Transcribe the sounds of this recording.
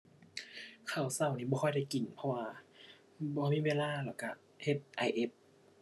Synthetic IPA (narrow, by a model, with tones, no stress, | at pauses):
kʰa˧˩wsa˧˩˨wniː˧˩bɔː˧xʰjda˧˩jki˨˩npʰɔ˧waː˧ | bɔː˧miː˧˥˨weː˧˨laː˧˥˨lɛː˧˩ka˧˩ | he˧˩p̚ʔa˧jʔe˧˥p̚